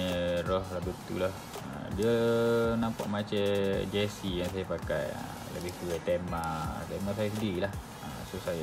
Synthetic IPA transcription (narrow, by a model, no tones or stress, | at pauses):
ərɔhlabut̪ṵlah | ə̰diənampa̰ʔmat͡ʃɛd͡ʒesijaŋs̬ajapaka̰jə̰ | ləbɪht̪uɛjt̪emat̪emas̬ajəs̬ədiɾilah | ə̰sosaja